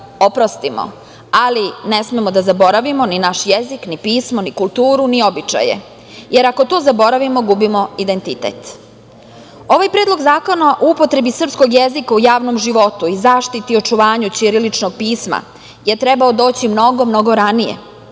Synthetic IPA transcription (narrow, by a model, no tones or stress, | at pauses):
opɾo̞st̪imo̰ | aline̞smemod̪azabo̞ɾaʋimo̞ninaʃjeziknipiːsmonikulˠt̪uːɾunio̞bit͡ʃa̰jḛ | je̞ɾako̞t̪o̞ːzabo̞ɾaʋimo̞ɡubimo̞id̪ent̪it̪ḛt̪ | o̞ʋajpɾed̪lˠoɡzaːko̞naʔoupo̞t̪ɾe̞bisr̩psko̞ɡjezikaujaːʋnomʒiʋo̞t̪uizaːʃt̪it̪io̞t͡ʃuʋaːɲut͡ɕiɾilit͡ʃnoɡ̚piːsma̰ | jeɾt̪ɾe̞baod̪o̞ːt͡ɕimno̞ɡo̞mno̞ɡo̞ɾanijḛ